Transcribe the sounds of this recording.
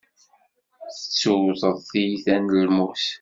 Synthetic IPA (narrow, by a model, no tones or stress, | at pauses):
θə̥t͡sːuwðˤəðˤθijθænlmuθ